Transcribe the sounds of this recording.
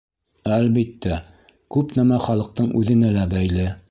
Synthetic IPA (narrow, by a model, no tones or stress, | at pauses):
ælbit̪ːæ | kʉpnæmæχɑlˠɤ̆q̚t̪ɤɴʉðɘ̆nælæbæjlɘ